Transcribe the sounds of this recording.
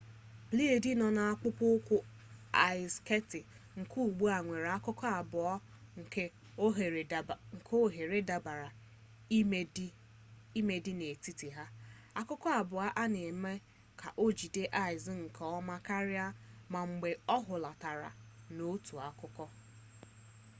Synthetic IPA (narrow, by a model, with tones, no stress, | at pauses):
bli˦e˨di˦nɔ˨na˨a˦k͡pʊ˦pʊ˦ʊ˦kʷʊ˦ | a˨ɪ˨ske˦tɪ˨ | ŋ̩˨kʰu˦˨ɡ͡bu˦a˨ŋʷe˨ɾa˦kʊ˦kɔ˦a˨bʊ˨ɔ˦ | ŋ̩˨ke˦˨ | ŋ̩˨kʰo˦ɦe˨ɾe˦da˨ba˨ɾa˨˦ | i˦me˦dɪ˦ne˨ti˦ti˨ɦa˦ | a˦kʊ˦kɔ˦a˨bʊ˨a˦ʔa˦ne˨me˦ | kʰa̰˨ʔo˦d͡ʒi˨de˦ʔa˨ɪ˨zɪ˦ŋ̩˨kʰɔ˨ɔ˦ma˦ka˦ɾɪ˦a˦ma˨ŋ͡m̩˨ɡ͡be˨ɔ˦ɦʊ˨la˨ta˨ɾa̰˨no˦tu˨a˨kʊ˦kɔ˦